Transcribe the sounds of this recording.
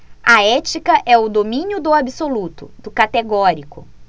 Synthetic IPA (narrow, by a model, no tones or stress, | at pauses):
ɐɛt͡ʃikɐʔɛʊd̪omĩnjʊd̪ʊabisolut̪ʊ̰d̪̥ʊkat̪eɡɔɾikʊ̰